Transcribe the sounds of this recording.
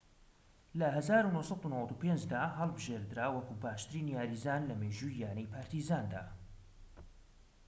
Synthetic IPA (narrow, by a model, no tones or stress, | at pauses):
lɐɦɐzaːɾunoːsɑd̪unəwɐt̪upend͡ʒd̪aːɦɐlˠbɨʒeɾd̪ɨɾaːwɐkuːbaːʃt̪ɨɾinijaːɾizaːnlɐmeːʒujaːnijpʰaːɾt̪ʰizaːnd̪a̰ː